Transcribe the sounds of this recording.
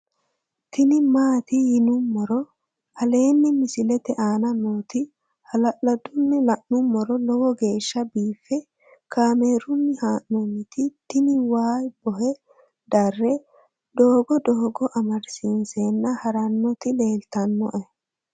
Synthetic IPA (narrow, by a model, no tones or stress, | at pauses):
t̪ɪnɪmaːt̪ɪjɪnʊmːɔɾɔ | hɐle̞ːnːɪmɪsɪlɛt̪ɛʔaːnɐnoːt̪ɪ | hɐlɐʔɐd̪ʊnːɛlɐʔnʊmːɔɾɔlɔwɔɡe̞ːʃːɐbiːfːɛ | kaːme̞ːɾʊnːɪhaːʔnɔnːɪt̪ɪt̪ɪnɪwaːjb̥ɔɦɛ | d̪ɐrːɛ | d̪̥oːɡɔd̪oːɡɔʔɐmɐɾsɪnseːnːɐhɐɾɐnːɔt̪ɪle̞ːlt̪ɐnːɔʔɛ